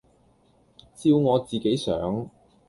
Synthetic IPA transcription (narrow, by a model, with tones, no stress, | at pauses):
t͡siː˧wŋɔː˨˧t͡siː˨ke˨˥jsœ̰ː˨˥ŋ